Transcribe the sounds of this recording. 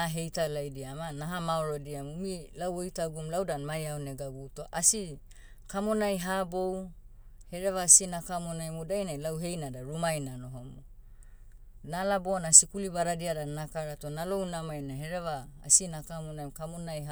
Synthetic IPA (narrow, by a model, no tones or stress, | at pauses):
aɦe̞jtalajdiamanaɦamaoɾodiamumilawojtaɡumlawdanmajaoneɡaɡutoʔasi | kamo̞najɦabo̞w | he̞ɾevaːsinakamonajmodajnajlawɦe̞jnadaɾumajnano̞ɦomo | nalaboanasikulibaɾadiadanakaɾatonalo̞wnamajnaɦeɾeva̰ːsinakamonajmkamonajha